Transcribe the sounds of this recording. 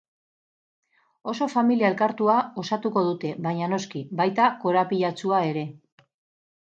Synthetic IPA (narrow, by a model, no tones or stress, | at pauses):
o̞so̞familiae̞lkaɾt̪uao̞sat̪uko̞ð̞ut̪e̞βaɲano̞skibajt̪ako̞ɾapiʎat͡suae̞ɾe̞